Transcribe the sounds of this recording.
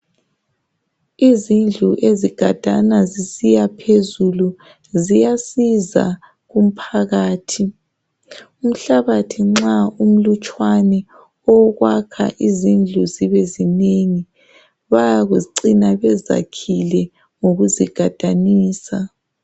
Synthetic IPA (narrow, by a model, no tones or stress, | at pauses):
izind͡ɮʱuʔeziɡ̥ʱad̥ʱanazisijapʰezulu | zijasiza̰ | ɣum̩pʰaɣaːtʰi | um̩ɬaβatʰiŋ͡ǁaum̩lut͡ʃʼwanɛ | ɔɣwakʰa̰ʔizind͡ɮʱuziβezineŋi | βajaɣuǀinaβɛza̰kʰilɛ | ŋoɣuziɡ̥ʱad̥ʱaniːsa